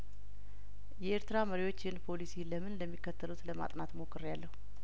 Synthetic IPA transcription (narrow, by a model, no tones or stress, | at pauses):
jɛʔeɾt̪ʰɨɾaməɾiwo̞t͡ʃːɪhɨnpʰo̞lisiləmɨnləmːikːət̪ʰːəlut̪ləma̰t̪ʼnat̪mokʰːɨɾjalːəhu